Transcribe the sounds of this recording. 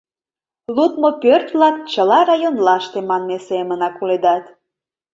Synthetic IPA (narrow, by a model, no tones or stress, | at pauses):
lut̪mopørt̪lɑt̪t͡ɕəlɑrɑjonlɑʃt̪emɑnmesemənɑkuled̪ɑt̪